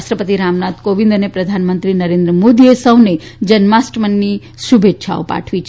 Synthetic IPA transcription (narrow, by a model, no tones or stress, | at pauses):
ʃʈɾəpət̪iɾamnat̪koʋĩnd̪ənepɾəd̪ʱanmənt̪ɾinəɾẽnd̪ɾəmod̪iesəʋned͡ʒənmasʈmənːi | subʱetːʃʰa̰o̰pa̰ʈʰʋit͡ʃʰ